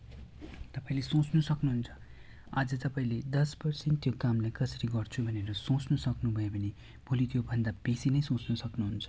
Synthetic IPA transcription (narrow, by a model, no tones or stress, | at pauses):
t̪ʌpaĩlesõt͡snusʌknuɦunt͡sʰʌ̥ | ad͡zʌt̪ʌpaĩled̪ʌspʌrsent̪jokamlajkʌsʌɾiɡʌrt͡sʰubʱʌneɾʌsõt͡snʌsʌknubʱʌebʱʌne | b̥ʱolit̪ʰjobʱʌnd̪abesinʌjsõt͡snʌsʌknuɦunt͡sʰʌ̥